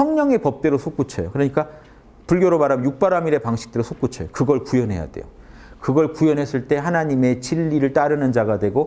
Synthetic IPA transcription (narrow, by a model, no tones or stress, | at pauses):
sʰʌŋɲʌŋe̞pʌp̚t͈we̞ɾosʰok͈ut͡ɕʰʌjokɯɾʌɲik͈a | puɭɡjʌɾomaɾamjuk̚p͈aɾamiɾe̞paŋɕʰi̥k̚t͈eɾosʰok͈ut͡ɕʰʌjokɯɡʌɭkujʌnɦe̞ja̰de̞̰jo̰ | kɯɡʌɭkujʌnɦe̞s͈ɯɭt͈e̞ɦanaɲime̞t͡ɕiʎːiɾɯɭt͈aɾɯnɯnd͡ʑaɡadwe̞ɡo